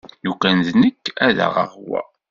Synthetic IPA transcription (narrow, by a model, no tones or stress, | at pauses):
jukːænðnəkːæða̰ʁə̰ʁwæ̰